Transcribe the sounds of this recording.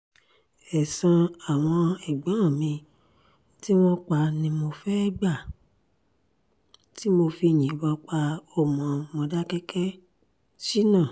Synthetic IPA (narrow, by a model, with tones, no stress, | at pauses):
ɛ˨sã˧a˨w̃ɔ̃˧ɛ˨ɡ͡bã˨˦ã˦˨mĩ˧ | ti˦w̃ɔ̃˦k͡pa˧nĩ˧mo˧fɛ˦ɡ͡ba˦˨ | ti˦mo˧fi˧˨j̃ĩ˨˦bɔ˧k͡pa˧ɔ˦˨mɔ̃˨mɔ̃˧da˦kɛ˦kɛ˦ | ʃi˦nãː˦˨